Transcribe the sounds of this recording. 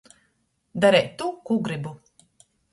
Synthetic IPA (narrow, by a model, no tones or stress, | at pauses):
d̪aɾɛjt̪ːukuɡɾibu